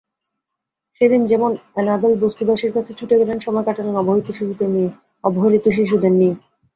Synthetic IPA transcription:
ʃed̪ind͡ʑɛmonɛnab̪elbost̪ibaʃiɾkat͡ɕʰet͡ɕʰuʈeɡɛlenʃɔmɔekaʈanenɔboɦit̪oʃiʃud̪enie | ɔboɦilit̪oʃ̬iʃ̬ud̪eɾnie

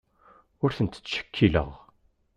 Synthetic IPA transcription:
ʊɾθənt̪ə̥t͡sːʃə̥kʰːilə̰ʁ

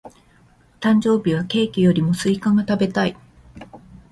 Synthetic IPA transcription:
t̪ãɲ̟d͡ʑo̞ːbʲiβ̞ake̞ːkʲijo̞ɾʲimo̞sɨikãŋɡat̪abe̞t̪ai

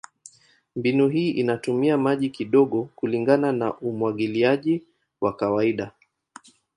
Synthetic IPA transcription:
mbinuɦiːʔinatumiamaʄikiɗɔɠɔkuliŋɡanana̰ʔumwaɠiliaʄi | wakawaiɗa

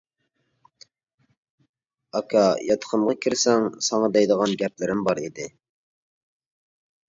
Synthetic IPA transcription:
ɑkʰɑjɑt̪ʰqʰəmʁɑkʲʰiɾsɛŋsɑŋɑd̪ɛjd̪əʁɑnɡʲɛplɪɾɪmbɑɾid̪ɪ

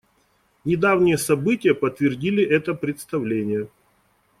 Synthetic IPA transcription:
nʲɪd̪avnʲɪjəsɐbɨtʲɪjəpət̪vʲɪrdʲilʲɪʔɛt̪əpɾʲɪt̪st̪ɐvlʲenʲɪjə

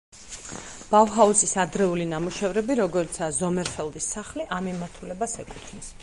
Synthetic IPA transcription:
b̥avɦausisad̪ɾɛulinamuʃɛvɾɛbiɾɔɡɔɾt̪sʰazɔmɛɾfɛlˠd̪isːaχliʔamimaɾt̪ʰulɛbasɛkʼu̥t̪ʰnis

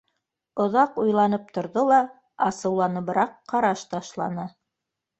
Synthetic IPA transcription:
ŏðɑqujlˠɑnɤp̚t̪ŏɾðolˠɑ | ɑsɤ̆wlˠɑnɤ̆βɾɑqʰːɑɾɑʃt̪ɑʃlˠɑ̰nɤ

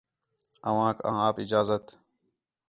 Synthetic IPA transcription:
ɐwãːkã̰ːaːpɪd͡ʒaːzət̪

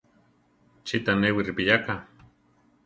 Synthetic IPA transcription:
t͡ʃit̪anewiɾipijaka

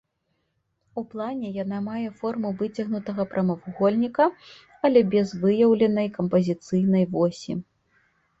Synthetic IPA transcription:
uplˠanʲɛjan̪amajɛfɔrmuvɨt͡sʲɐɣnut̪ɐɣɐpɾʔɐmɐwɣɔlʲnʲikɐ | ɐlʲɛbʲɛzvɨjɐwlʲɛnɐjkɐmpɐzʲit̪sɨjnɐjvɔsʲḭ

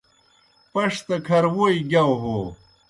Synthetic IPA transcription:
pɐʂt̪ɐkʰɐɾwojɡʲawɦo

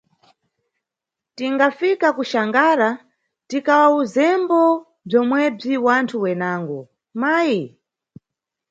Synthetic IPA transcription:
tiŋɡafikakuʃaŋɡaːɾa | tikawauzɛmbɔ | b͡ʐɔmwɛb͡ʐiwantʰuwɛnaːŋɡɔ | maːji

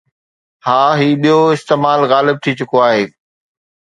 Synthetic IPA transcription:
haːɦiːɓijoɪst̪eːmaːlɣaːlɪb̚t̪ʰit͡ɕʊkoaːɦeː

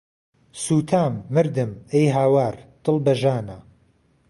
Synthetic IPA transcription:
suːt̪ʰaːmːɨɾd̪ɨmejɦaːwaːɾt̪ɨlˠbɐʒaːnɐ

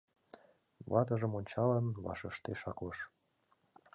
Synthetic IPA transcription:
βɑt̪əʒəmonʲt͡ɕɑlənβɑ̰ʃəʃt̪eʃɑkoʃ

